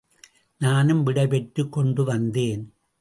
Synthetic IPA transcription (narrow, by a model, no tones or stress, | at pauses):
naːnɯmʋɪɽɐɪpɛʈɾɯkːɔɳɖɯʋɐnd̪eːn